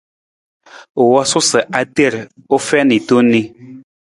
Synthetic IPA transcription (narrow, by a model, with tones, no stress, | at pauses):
o˨wɔ˦sʊ˦sə˨ʔa˨te˦˨ɾo˦fɛ˦ni˨to˦ni˦